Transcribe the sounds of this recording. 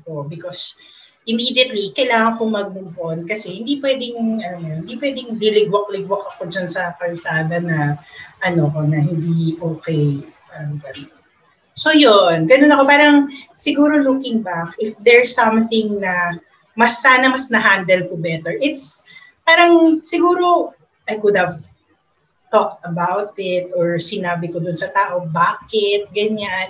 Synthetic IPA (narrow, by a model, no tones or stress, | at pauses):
pobɪkos | ʔɪmiːd̪jɐt̪likɐjlaːŋɐŋkomɐɡ̚mɪfonkɐsɛhɪnd̪ipwɛd̪ɪŋʔɐnoŋɐjonhɪnd̪ipwɛd̪ɪŋlɪlɪɡwɐk̚lɪɡwɐkɐko̞d͡ʒɐnsɐkɐlsaːd̪ɐnɐʔɐno̞nɐɦɪnd̪iʔoːkej | ɐɡɐnon | so̞jonɡɐnonɐko̞paːɾɐŋsɪɡuːɾo̞lukɪŋbak̚ɪfd̪ɛɹsɐmθɪŋnɐ | mɐsːaːnɐmɐsnɐɦand̪ɛl̚kʊbɛt̪ɛɹʔɪt̪s | paːɾɐŋsɪɡuːɾo̞ | ʔajkʊd̪hɐv | t̪ɔk̚t̪ɐbawt̪ɪt̪ʔɔɹsɪnaːbɪkod̪ʊnsɐt̪aːʔo̞baːkɪt̪̚ɡɐɲan